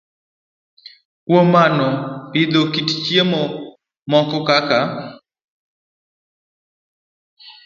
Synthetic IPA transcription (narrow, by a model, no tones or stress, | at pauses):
kwomanɔpɪd̪okitt͡ʃjemɔ | mɔkɔkaka